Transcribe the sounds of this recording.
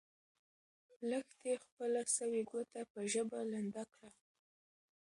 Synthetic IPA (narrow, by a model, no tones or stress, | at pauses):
ləxt̪expəlasəweɡwot̪apəʒəbaland̪akɽa